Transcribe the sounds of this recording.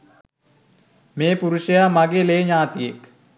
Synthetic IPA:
meːpuɾuʃəjamaɡeleːɲaːt̪ijek

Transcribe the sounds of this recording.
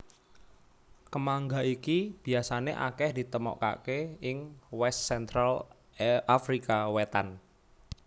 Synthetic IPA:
kəmaŋɡaikib̥i̤asaneʔa̰kɛhd̥i̤t̪əmɔ̰ʔka̰keɪŋwɛst̪sɛnt̪ɾal | afɾikawɛt̪a̰n

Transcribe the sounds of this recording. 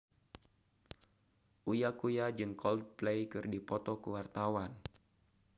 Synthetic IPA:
ʔujakujad͡ʒɨŋkʰɔld̚plejkɨrdipɔt̪ɔkəwart̪awan

